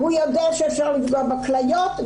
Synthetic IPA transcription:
hujod̪ɛaʃɛːfʃaʁlifɡobaklajot̪

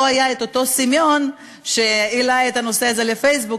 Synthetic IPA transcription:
ajaet̪o̞to̞simjo̞n | ʃe̞ilajetano̞seaze̞lefejs̬bu

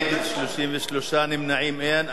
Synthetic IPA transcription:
ɡɪd̪ʃluʃiːmvɪʃluʃaːnɪmnaʕiːmʔean

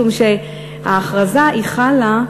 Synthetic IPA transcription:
umʃe | aːχʁazaʔiχala

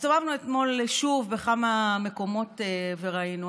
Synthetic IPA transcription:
sovavnuet̪mo̞lʃuvbeχamame̞ko̞mo̞teveʁainu

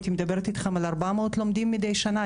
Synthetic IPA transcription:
t̪imed̪ɐbe̞ʁet̪it̪χemalaʁbamaot̪lo̞md̪imːid̪ejʃana

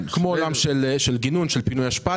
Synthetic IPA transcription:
kmoːlamʃelʃelɡinunʃelpinujaʃpa

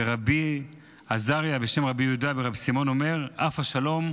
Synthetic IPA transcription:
eʁabi | azaʁjabe̞ʃe̞mʁabijudabeʁabisimo̞no̞me̞ʁafaʃalo̞m

